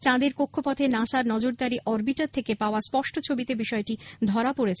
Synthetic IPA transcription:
t͡ɕãd̪eɾkokʰːopɔt̪ʰenãsaɾnɔd͡ʑoɾd̪aɾiʔɔɾbiʈaɾt̪ʰekepaoaspɔʃʈʰot͡ɕʰobit̪ebiʃɔeʈid̪ʱɔɾapoɾet͡ɕʰ

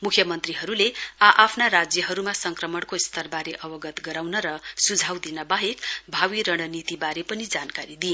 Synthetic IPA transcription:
mukʰjʌmʌnt̪riɦʌɾuleaʔapʰnaɾad͡zjʌɦʌɾumasʌŋkrʌmʌɽkost̪ʰʌrbaɾeʔʌbʌɡʌt̪ɡʌɾawnʌɾʌsud͡zʱawd̪inʌbaɦekbʱawiɾʌɽ̃ʌnit̪ibaɾepʌnid͡zankaɾid̪i

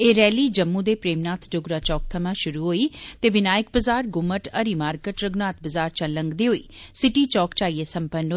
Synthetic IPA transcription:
eːɾɛːliːd͡ʒəmːũːd̪eːpɾeːmnaːt̪ʰɖʊɡɾaːt͡ʃɔːk̚t̪ʰəmãːʃʊɾuːɦoːiːt̪eːʋɪnaːjək̚bəzaːɾɡʊməʈəɾiːmaːɾkəʈɾəɡnaːt̪̚ʰbəzaːɾt͡ʃələŋɡd̪eːɦoːḭːsɪʈiːt͡ʃɔːkt͡ʃaːieːsəmpənoː

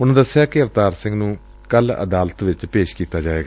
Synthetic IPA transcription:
ʊnãːd̪əsːɪjaːkɪəʋt̪aːɾsɪ̃ŋɡnũː | kələ̰d̪aːlət̪ʋɪt͡ʃpeːʃkiːt̪aːd͡ʒaːeːɡaː

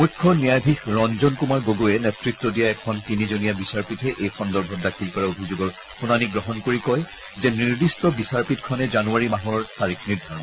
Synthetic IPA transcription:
mukʰːɔnijadʱikɹɔnzɔnkumaɹɡoɡoɛnɛtɹitːɔdijaɛkʰɔntinizonijabisaɹpitʰɛʔejxɔndɔɹbʱɔt̚dakʰilkɔɹaobʱizoɡɔɹ | xunaniɡɹɔɦɔnkoɹikɔj | zɛniɹdistɔbisaɹpitkʰɔnɛzanuaɹimaɦɔɹɔɹtaɹikʰniɹdʱaɹɔn

